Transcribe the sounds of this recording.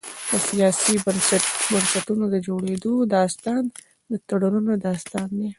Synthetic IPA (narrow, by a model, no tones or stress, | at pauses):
d̪əsijɑsibənsbɐnsɐt̪unod̪əd͡ʒoɽed̪od̪ɑst̪ɑn | d̪ət̪aɽuɾunod̪ɑːst̪ɑnd̪e